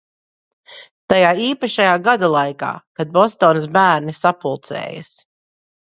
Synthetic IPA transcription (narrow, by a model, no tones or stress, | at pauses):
t̪ajaːiːpaʃajaːɡad̪alˠajka̰ːkad̪̚bɔst̪ɔːns̬bæːɾnisapulˠt̪sɛ̰ːjɐ̰s